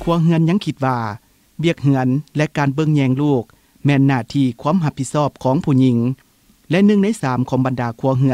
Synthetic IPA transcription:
kʰu˧˩ɐɦɯ˧˥ənɲa˧˥˨ŋkʰi˧t̪̚ʋaː˧ | wi˧˩ək̚hɯ˧˩ənlɛ˧kaː˨˩nbɤ˧˨ŋɲɛː˧˩ŋluː˧˩k̚ | mɛː˧˩nːaː˧˩t̪ʰiː˧˩kʰu˧˥ə˨mɦa˧pʰːi˧t̪̚sɔː˧˩p̚kʰɔː˨˦ŋpʰuː˧˩ɲi˧˥ŋ | lɛ˧nɯ˧ŋna˧˥˨jsaː˨˦mkʰɔː˩˦ŋba˨ndaː˨˩kʰu˧˩ɐɦɯ˧n

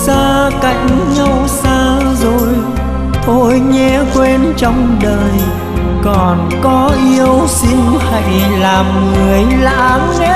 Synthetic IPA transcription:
saː˧ka˧˨jŋ̟ɲa˧wsaː˧zo˨˩j | ʔ̪o˧˥jɲɛ˧kwe˧nt͡ɕɔ˧wŋ͡mɗəː˨˩j | kɔ˨˩n | kɔ˨˦ʔi˧əwsi˧ŋha̰˧˩jlaː˨˩mŋɨ˨˩əjla̰ː˧˥ | nɛ˦

